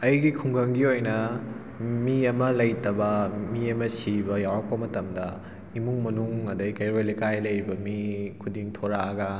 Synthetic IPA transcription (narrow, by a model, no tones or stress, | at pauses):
ɐjɡikʰuŋɡɐŋɡiojnɐ | miɐmɐlɐjtɐbɐmiɐmɐsibɐjawɾɐk̚pɐmɐtɐmdɐ | imuŋmɐnuŋɐdɐjkɐjɾojlekajlɐjɾibɐmikʰudiŋtʰoɾaɐɡɐ